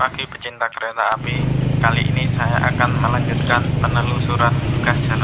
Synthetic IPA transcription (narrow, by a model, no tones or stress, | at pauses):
akipət͡ʃint̪akəɾet̪aːpikaliʔḭnisajaʔa̰kanməlaɲd͡ʒut̪̚kanpənəlusuɾat̪̚buɡasd͡ʒ̥a̤la